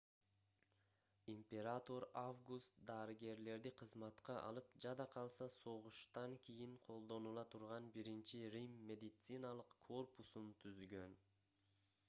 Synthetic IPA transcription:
impʲe̞ɾat̪o̞ɾavɡust̪d̪ɑːɾɯɡe̞ɾle̞ɾd̪iqʰɯzmɑt̪qɑʔɑ̰lˠɯpd͡ʒɑd̪ɑqʰɑlˠsɑso̞ʁuʃt̪ɑŋkʲʰijiɴqʰo̞lˠd̪o̞nulˠɑt̪ʰuɾʁɑnbiɾint͡ʃirʲimːʲe̞d̪it̪sɨnalˠɯqkʰːo̞rpusunt̪ʰyzɡø̞n

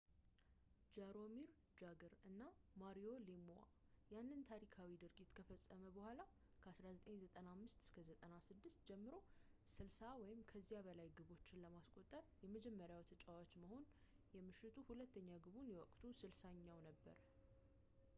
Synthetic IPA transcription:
d͡ʒaɾo̞miɾ | d͡ʒaɡɨɾɨnːamaɾio̞lemoa̰ | janːɨnt̪ʰaɾikʰawid̪ɨɾɡit̪kʰəfəsʼːəməbəhʷala | kʰəasɾazət̪ʼeɲzət̪ʼənamːɨst̪ɨ̥skʰəzət̪ʼənasɨd̪ːɨst̪̚d͡ʒɛmːɨɾo̞sɨlsawɔjɪmkʰəzːijabəlajɡɨβo̞t͡ʃːɪnləmaskʼo̞t̪ʼːəɾjɛməd͡ʒɛmːəɾjawt̪ʰət͡ʃʼawat͡ʃːməho̞n | jɛmɨʃːɪt̪ʰuhulət̪ʰːəɲːaɡɨβunjɛwɔkʼt̪ʰusɨlsaɲːawnəbːə̰ɾ

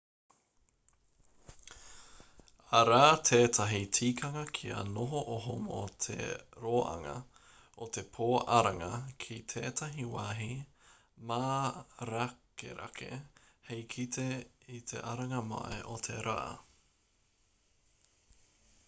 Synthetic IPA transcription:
ɐɾaːt̪ʰeːtʰɐɦitʰiːkʰɐŋɐkʰiɐ̰noɦoʔoɦomo̰t̪ʰḛɾoːʔɐ̰ŋɐ̰ | ot̪e̞pʰoːʔɐɾɐŋɐkʰit̪ʰeːt̪ʰɐɦiwaːɦi | maːɾakḛɾʔa̰kʰḛ | hejkʰit̪ʰeit̪ʰḛʔɐɾɐŋɐma̰ʔḛʔot̪ʰeɾa̰ː

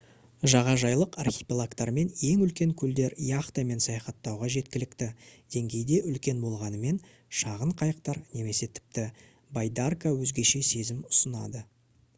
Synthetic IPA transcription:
ʒɑʁɑʒɑjlˠəqarχʲipʲilˠakt̪ɑɾme̞nje̞ŋʏlkʲe̞ŋkʲʰʏld̪e̞ɾijɑχt̪ame̞nsɑjɑχɑt̪ːɑwʁɑʒe̞t̪̚kʲɪlɪkt̪ɪd̪̥e̞ŋɡʲe̞jd̪e̞ʔʏlkʲe̞nbo̞lˠʁɑnəme̞n | ʃɑʁəɴqʰɑjəq̚t̪ɑɾne̞me̞se̞t̪ʰɪ̥p̚t̪ɪ | bajd̪arkawɵzɡʲe̞ʃe̞se̞zɪmʊ̥sənɑ̰d̪ə

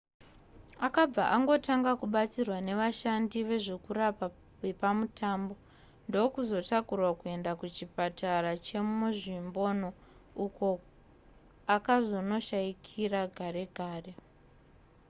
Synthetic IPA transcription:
akab͡va̰ʔaŋɡo̞taŋɡakuɓat͡sirwane̞ʋaʃandiʋe̞ʐe̞kurapa | e̞pamutʰaːmbo̞ | ndo̞kuzo̞takurwakue̞ndakut͡ʃipatʰarat͡ʃe̞muʐimbo̞no̞ | uko̞ | akazo̞no̞ʃaikʰiraɡʱaɾe̞ɡʱaːre̞

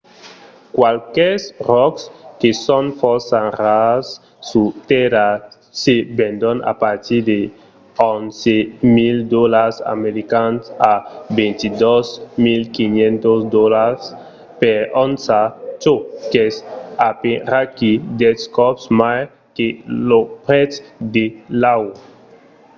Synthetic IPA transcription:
kwalkɛsrɔkskesɔnfɔsanrasː | ut̪ɛɾa | sebẽnd̪ɔna̰paɾt̪iɾd̪e | ɔnsemild̪ɔlaɾsa̰meɾikansabent̪id̪ɔzmilkiɲẽnt̪osd̪ɔlaɾs | peɾɔnsat͡ʃokesapeɾakid̪ɛskɔpsmaj | kelopɾɛt͡sd̪elaw

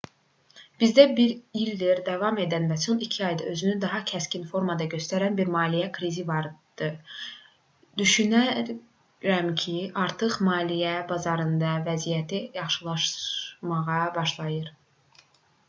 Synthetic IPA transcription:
b̥izd̪æbiɾild̪iɾd̪ɑvɑme̞d̪ænvæso̞nicʰiɑjd̪ɑø̞zynyd̪ɑɦɑcʰæscinfo̞ɾmɑd̪ɑɟø̞st̪æɾænbiɾmɑːlijækʰɾizivɑɾd̪̥ɯ | d̪̥yʃynæ | ɾæmcʰiʔɑɾt̪ʰɯχmɑːlijæbɑzɑɾɯnd̪ɑvæzijæt̪ʰijɑχʃɯlˠɑʃmɑʁɑbɑʃlˠɑjɯɾ

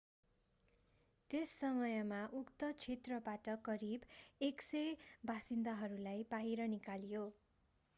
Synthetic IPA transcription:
t̪esːʌmʌjʌmaʔukt̪ʌt͡sʰet̪rʌbaʈʌkʌɾibeksʌjbʱasind̪aɦʌɾulajbaɦiɾʌnikaljo

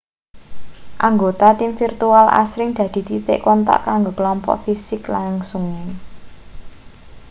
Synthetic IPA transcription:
ʔaŋɡot̪at̪imfirt̪uala̰sɾɪŋd̪̥ä̤d̪̥i̤t̪it̪ɪ̰ʔkɔnt̪a̰ʔkaŋɡokəlɔmpɔ̰ʔfisɪklaŋsuŋɪŋ

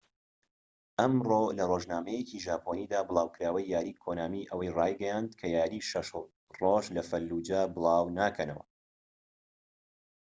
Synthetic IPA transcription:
ʔɐmrolɐroːʒnaːmɐjeciʒaːpʰoniːd̪aːblˠɑːwkɨɾaːwɐjːaːɾiːkʰonaːmiʔəwɐjraːjɡɐjand̪̚kʰɐjaːɾiʃɐʃ | roːʒlɐfɐlːud͡ʒaːbɨlˠɑːwnaːkʰɐnɐwɐ̰

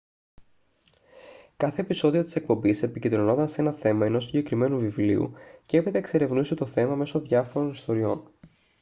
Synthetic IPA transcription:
kɐθe̞ːpiso̞ðio̞t̪i̥se̞k̚po̞mbise̞picend̪ɾo̞no̞nd̪ɐnse̞nɐθe̞mɐeno̞siɲɟe̞kɾime̞nuvivliṵceepet̪eːkse̞ɾe̞vnuset̪o̞θe̞mɐme̞so̞ðʝɐfo̞ɾo̞nist̪o̞ɾio̞̰n

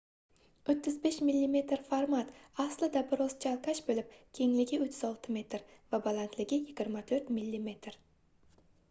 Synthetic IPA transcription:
ot̪ʰːɪzbe̞ʃmilːime̞t̪ɾfaɾmat̪aslɪd̪abɪɾɒst͡ʃʰalˠkʰaʃbolɪp̚kʲʰe̞ŋlɪɡʲɪʊt̪ʰːɪzɒlˠt̪ʰɪme̞t̪ʰɾvabalˠant̪ʰlɪɡʲɪjɪɡʲɪɾmat̪ʰɵɾt̪mɪlːime̞t̪ʰɾ

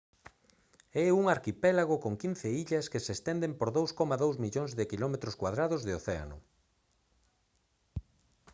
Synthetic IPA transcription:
ɛuŋaɾkipɛlaɣokoŋkin̟θeiʎɐskesest̪ɛnd̪empoɾðowskɔmaðowzmiʎoŋzðɪkilɔmet̪ɾʊskwaðɾaðʊzðeoθea̰nʊ̰

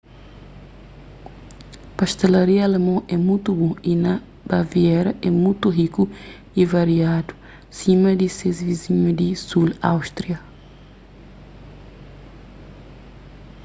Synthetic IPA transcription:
pɐʃt̪elɐɾiɐɐlemɐ̃ɛmũjt̪ubõinɐ | b̥ɐviɛɾɐʔɛmũjt̪uɦiku | ivɐɾiad̪u̥ | sĩmɐd̪isezviziɲud̪isulawʃt̪ɾiɐ

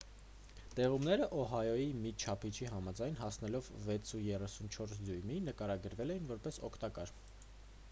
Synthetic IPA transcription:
t̪ɛʁumnɛɾəʔɔɦɑjɔjimit͡ʃʰɑpʰit͡ʃʰiɦɑmɑd͡zɑjnɦɑsnɛlɔvːɛt͡sʰujɛrɛsunt͡ʃʰɔɾsd͡zujminəkɑɾɑɡəɾvɛlɛjinvɔɾpɛsɔkʰt̪ɑkɑɾ

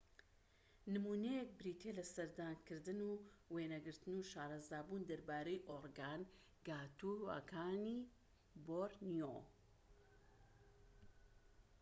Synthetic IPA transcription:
nɨmuːnejek̚bɾiːt̪ʰelɐsɐɾd̪aːnkɨɾd̪ɨnuweːnɐɡɨɾt̪ɨnuʃaːɾˤɑzaːbund̪ɐɾbaːɾejʔoɾɡan | ɡaːt̪uɐ̰kʰaːni | boɾnijo

